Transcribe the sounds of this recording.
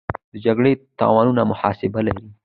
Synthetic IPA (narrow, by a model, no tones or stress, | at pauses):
d̪̥əd͡ʒaɡɽet̪ɑ̰wɑnunamʊhɑsɪbalaɾi